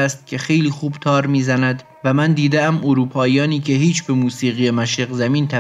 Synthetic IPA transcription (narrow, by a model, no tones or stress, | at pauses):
æst̪̚kʰʲe̞xe̞jliːxuːbt̪ʰɒːɾmiːzænæd̪ | væmænd̪iːd̪eæmʔoɾuːpʰɒːijɒːniːcʰe̞hiːt͡ʃʰbe̞muːsiːɣijemæʃeɡzæmiːnt̪ʰæ